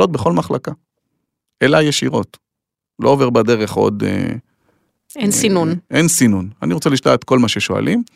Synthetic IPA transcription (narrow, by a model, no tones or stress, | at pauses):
o̞t̚beχo̞lmaχlaka | ʔelajeʃiʁo̞t | lo̞oveʁbad̪e̞ʁe̞χo̞̰d̪ḛ | ensinunʔensinunaniʁot͡seliʃtaat̪ko̞lmaʃeʃo̞a̰lʔim